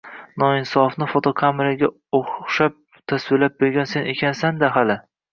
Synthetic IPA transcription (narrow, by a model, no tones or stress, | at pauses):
nɒɪnsɒfnɪfot̪ʰokʰamɪɾaɡʲa | oχʃap̚ | t̪ʰaswɪlap̚beɾɡʲanse̞ne̞kʲʰansand̪aɦalɪ